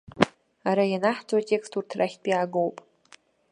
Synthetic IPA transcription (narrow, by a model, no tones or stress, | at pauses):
aɾajanaħt͡sʼwatʼe̞kstʰurtʰraχʲpʼiaːɡowpʼ